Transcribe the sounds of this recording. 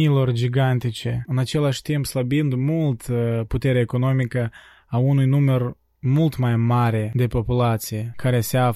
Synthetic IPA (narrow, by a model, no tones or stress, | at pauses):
ilo̞rd͡ʒiɡant̪it͡ʃe̞ɨnat͡ʃe̞laʃʲt̪impsləbind̪mult̪put̪e̞ɾʲaeko̞no̞mikə | aunujnumər | mult̪majmaɾe̞d̪e̞po̞pulat̪sijekaɾe̞sea